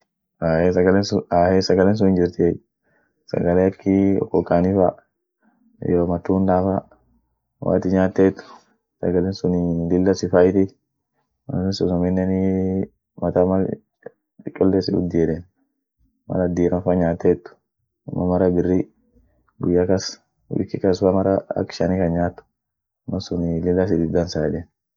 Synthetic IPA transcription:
aːesɐɡɐlensʊaːhesɐɡɐlens̬ʊnɪnd͡ʒɪɾt̪ɪɛ | sɐ̰ɡɐleːɐkʰːɪɔ̰kːɔkːaːnɪfa̰ | joːmɐt̪ːuːnd̪aːfa | wa̰ːt̪ɪɲaːt̪ːeːt̪ːʊ̥ | sɐ̰ɡɐlɛnsʊnɪd̪ɪlːɐsɪfaːɪt̪ɪ | mɐ̰lɛnsʊnɐmɛnːɛnɪ | mɐt̪ɐmɐ | t͡ʃɪkʼːɔlːesɪʊ̰d̪ːɪjɛᶑen | mɐ̰lɐd̪iːɾɐfɐɲaːt̪ːeːt̪ːʊ̥ | mːɐmɐɾɐbɪrːi | ɡʊjːakɐs | wɪ̰kːɪkɐsfɐmɐɾɐɐ̰kːɪ̥ʃɐnɪkɐnɲaːt̪ː | mːɐsʊnlɪlːɐs̬ɪd̪ɪd̪ɐnsaːɛᶑeːn

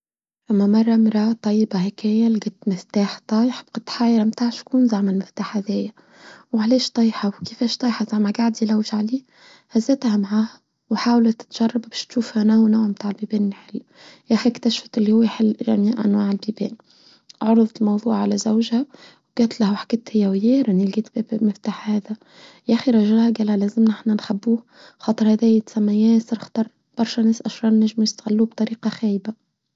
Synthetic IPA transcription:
lamːamɑrˤːɑmɾˤɑt̪ˤːɑjːbɑhekeːjalɪɡɪt̪mɪft̪aːħt̪ˤɑjħɪ̥bqɑt̪ħaːjɾamt̪aːʕʃkuːnzaʕmalmɪft̪aːħhaðeːja | wʕaleːʃt̪ˤɑjħɑwkefeːʃt̪ˤɑjħɑzaʕmaɡaʕd̪ilawʒʕaliː | hazːeːt̪hamaʕaːha | wħaːwlat̪ɪ̥t̪ʒ̥ɑrˤːɑbbeːʃt̪ʃuːfhanaːnoːʕmt̪aːʕɪlbiːbeːnːħɪlː | jæʔxikt̪aʃfæt̪ɪlːihʊwːeħɪlːʒæ̰miːʔʔæ̰nwaːʕɪlbiːbɛːn | ʕoɾˤɨðˤɑt̪ɪlmɑwðˤuːʕʕalæzawʒhæwɡ̥æːt̪læhwħḁkɪt̪hɪjːæwjeːɾʔɪnilɡiːt̪mɪft̪aːħhæːðæ | jʔæxiɾˤɑʒaælhæɡæːlælæːzɪmnɪħnænxabːuː | xɑːt̪ˤɨɾhæːðæːɪt̪sæmːæjæːsɪɾxt̪ˤɑɾˤ | b̥ɑɾˤʃænæːsʔɑʃɾˤɑːnnːæʒmjɪst̪ɣɪlːuːb̚t̪ˤɑɾiːqɑxæːjba

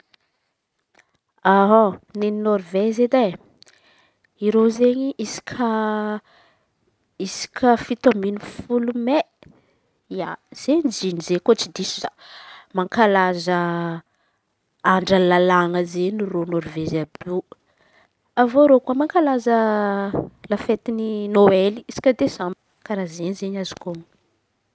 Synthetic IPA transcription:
aɦonennoɾvezed̪a | iɾozeɲiʔisi̥kʲʰa | isi̥kʰʲəfit̪ominifulume | ia̰z̥end͡ʒinizekot͡sid̪isiza̰maŋkalazə | aɳɖ͡ʐəlalaŋəzenironoɾvezabe | avoɾokuəmaŋkalazə | lafet̪ininoeliisi̥kʲəd̪ezami̥ | kaɾazeɲzeɲazi̥kom

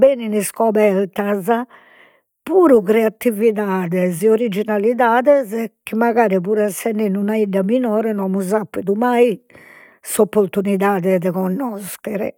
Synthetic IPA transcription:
beːniniskɔβɛɾt̪aza | puːɾukɾɛat̪ːiviðaːðɛzɛoɾid͡ʒinaliðaːðɛzk̟ːimaɣaːɾipuːɾɛsɛnːinunaid̪aminɔːɾɛnɔmuzapːid̪umaj | sopːoɾt̪uniðaːðɛðɛɣɔnːɔst̪ɛɾɛ̰

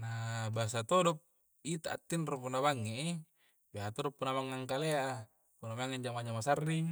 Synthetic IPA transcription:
nabas̬at̪odɔp̚ | it̪aʔːt̪ːinropunaβaŋːe | baɦat̪ɔdɔpːunamaŋːaŋkalea | punamaŋeɲd͡ʒamaɲamasarːi

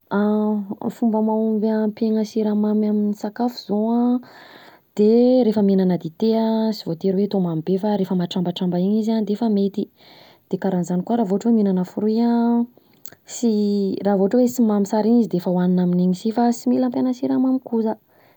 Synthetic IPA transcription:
a | fumbəmaumbapeŋəsiɾamamaminisakafuzoã | d̪̥eɾefəminanəd̪it̪easivot̪eɾwet̪omamibefaɾefəmaʈ͡ʂambaʈ͡ʂambaiɲizand̪efəmet̪i | d̪̥ekaɾanzanikuaɾaːvoʈ͡ʂweminanəfuɾiã | siraːvoʈ͡ʂwesimamisaɾiɲizid̪eefəwaninaminiɲisifasimilampenasiɾamamikuzə

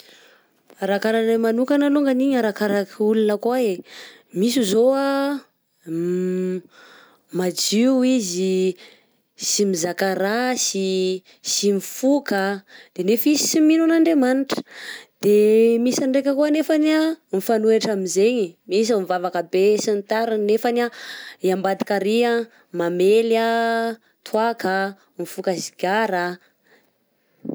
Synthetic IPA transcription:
aɾakaɾanamanukanaluŋɡaniɲaɾakaɾakulunəkuae | misizoa | mad͡ʒiwizi | simizakaɾasi | simifukad̪̥enefizisiminunaɳɖ͡ʐemaniʈ͡ʂə̥d̪̥emisaɳɖ͡ʐekʲəkuənefanamifanueʈ͡ʂamizeɲimis̬amivavakəbesint̪aɾanefanaiambad̪ikaɾia | mamela | t̪ʰuaka | mifukəsiɡʲaɾa

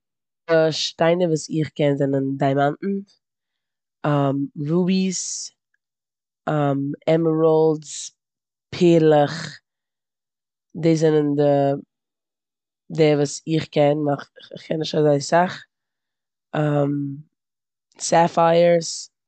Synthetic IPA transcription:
dəʃtaɪnəvuːsɪχkɛnzɛnəndaɪmanʔn̩ | mɾuːbis | amɛməɹɔlˠds | pʰeːɾlˠəχ | deɪzɪnəndɪ | dɛvuːsɪχkɛnmaχɪχkʰɛnːɪʃtazaɪsaχ | am | safaɪəɾs

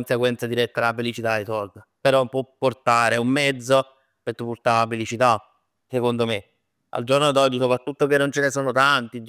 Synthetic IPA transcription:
nseɡwɛnt̪sad̪iɾɛt̪ːaafelit͡ʃit̪aɾit̪ord̪apeɾɔpːwɔpːort̪aːɾeumːɛd̪zːo | pet̪ːupːurt̪aafelit͡ʃit̪a | sekond̪ome | a̰ld͡ʒornoad̪ɔd͡ʒːisopɾat̪ːut̪ːok̟enːont͡ʃenesoːnot̪ant̪i

